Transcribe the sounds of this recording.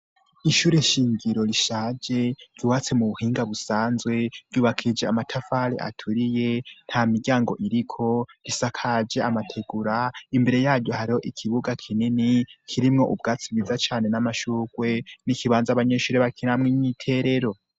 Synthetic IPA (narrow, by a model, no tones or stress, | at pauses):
iʃuːɾe̞ʃiːɲɟiɾo̞ɾiʃaːd͡ʒe̞ɾ̥juwat͡se̞muβuhiːŋɡaβusaːnzwe̞ɾ̥juːβakʰid͡ʒe̞amatʰafaɾḛʔa̰tʰuɾije̞n̥hamiɡɟaːŋɡo̞̰ʔiɾikʰo̞ɾisakʰad͡ʒeamatʰe̞ɡuɾaimbe̞ɾe̞jaːɾɟo̞haɾiho̞ʔikʰiβuɡakʰininikʰiɾimŋo̞ʔubɡaːt͡sibwizat͡ʃaːne̞namaʃuːɡ̥we̞nikʰiβaːnzaβaɲe̞ːʃuːɾeβakinamŋiɲitʰe̞ɾe̞ɾo̞